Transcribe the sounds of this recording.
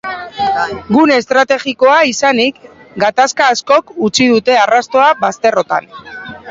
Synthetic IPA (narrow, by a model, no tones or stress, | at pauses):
ɡune̞st̪ɾat̪e̞ɣiko̞aisanik | ɡat̪askaːsko̞kut͡sið̞ut̪e̞arast̪o̞aβast̪e̞ro̞t̪a̰n